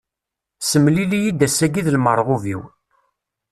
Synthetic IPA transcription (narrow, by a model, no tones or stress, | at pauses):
səmlilijid̪æsæɡiðlməɾˤʁuvḭw